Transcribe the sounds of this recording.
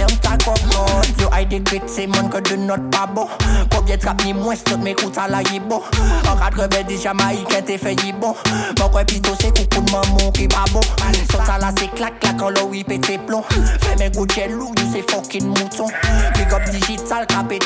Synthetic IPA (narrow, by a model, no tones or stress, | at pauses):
mt̪akɔbɔ̃oʔajdekit̪semɔ̃nkɔdønɔt̪̚pabɔ̃kɔ̃bjɛ̃t̪kap̚nĩmw̃ɛ̃st̪ɔt̪̚mɛ̃kutalajibɔ̃ãkadkɔ̃bɛ̃diʒamaikɛ̃tefɛjibɔ̃mɔ̃kwɛ̃pit̪osekũkunmãmɔ̃kipabɔ̃sɔ̃talaseklak̚kːlakãlɔwipet̪eplɔ̃fɛmɛ̃ɡud͡ʒɛlujusefɔkinmũt̪ɔ̃kikɔp̚diʒitalkape